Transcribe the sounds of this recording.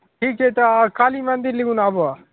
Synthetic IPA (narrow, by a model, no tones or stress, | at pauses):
ʈʰiːket̪akaːliːmə̃nd̪iɾlɪɡuːnaːboaː